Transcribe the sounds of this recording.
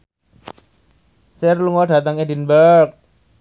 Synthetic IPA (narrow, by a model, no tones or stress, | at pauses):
serluŋɔɖä̤t̪əŋedinbərk̚